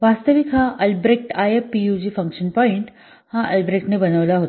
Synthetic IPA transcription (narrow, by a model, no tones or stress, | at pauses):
ʋast̪əʋikʰaʔəlbɾek̚ʈajeijud͡ʑifɐ̃ŋkʂənpɔːiɳʈ | hãʔɐlbɾekʈnebənəʋlaɦot̪